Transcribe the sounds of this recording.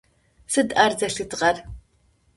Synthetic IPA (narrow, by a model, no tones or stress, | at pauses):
sɨdʔaːrzɐɬɨtʰʁɐr